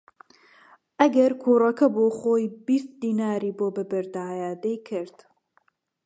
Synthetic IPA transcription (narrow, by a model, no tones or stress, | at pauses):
ʔɐɡɐɾkʰuːrɐkʰɐboːxoːjbist̪̚d̪iːnaːɾiːboːbɨbɨɾd̪aːjaːd̪ejkʰɨɾd̪̥